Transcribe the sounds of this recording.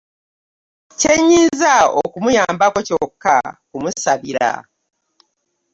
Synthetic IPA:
ce̞ɲːiːnzao̰kumujaːmbako̞cokːa̰kumusaβiɾa̰

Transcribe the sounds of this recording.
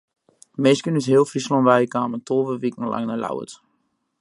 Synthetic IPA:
meːskənysheəlˠfrislɔnʋɛjkaːməntoːʋəʋik̚nəlʔa̰ŋnəla̰wə̰t

